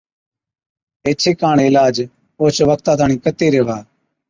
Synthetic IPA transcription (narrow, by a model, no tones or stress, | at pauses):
eːt͡ʃʰeːkaːɽ̃eːɪlaːd͡ʒ | oːt͡ʃʋəkʰt̪aːd̪aːɳiːkət̪eːɾeːʋaː